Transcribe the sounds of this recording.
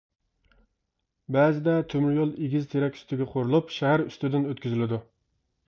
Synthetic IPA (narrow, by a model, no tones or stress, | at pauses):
bæzɪd̪ɛt̪ʰømyɾjolˠeɡʲizt̪ʰeɾɛkʲy̥st̪ɪɡʲɛqʰoɾulˠupʃæɦæɾyst̪ɪd̪ɪnøt̪kʲyzɪlɪd̪u